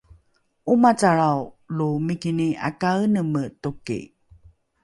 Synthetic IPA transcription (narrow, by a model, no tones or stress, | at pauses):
ʔumat͡saɭawlumikinia̰kaənəmətukḭ